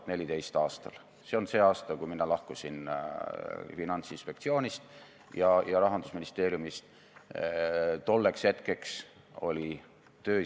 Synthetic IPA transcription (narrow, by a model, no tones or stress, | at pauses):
t̪ne̞lʲid̪e̞jst̪ɑːst̪ɑ̰l | se̞o̞nse̞ːɑːst̪ɑkujminɑlɑhkusin | finɑnt̪sinspe̞k̚t̪sio̞ːnʲist̪ | jɑjɑɾɑɦɑnd̪̥usminist̪e̞ːɾjumist̪ | t̪o̞lːe̞kshe̞t̪ke̞ks | o̞lʲi | t̪øː